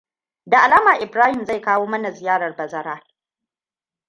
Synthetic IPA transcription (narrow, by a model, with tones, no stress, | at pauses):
da˨ʔa˨laː˦maː˨ʔɪ˨bɾaː˦hɪ˨mza˦˨jkaː˦woː˦mɐ˦na˨zɪ˨jaː˦ɽɐ˨rbɐ˨zɐ˦ɾaː˦